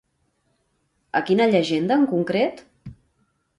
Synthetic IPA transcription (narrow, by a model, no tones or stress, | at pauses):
əkinəʎəʒend̪əːəŋkuŋkɾet̪